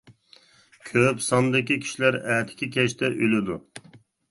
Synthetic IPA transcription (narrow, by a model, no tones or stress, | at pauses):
kʲʰøpsɑnd̪ɪkʲikʲʰi̥ʃlæɾɛːt̪ʰɪ̥kʲikʲɛʃt̪ɛʔylɪd̪u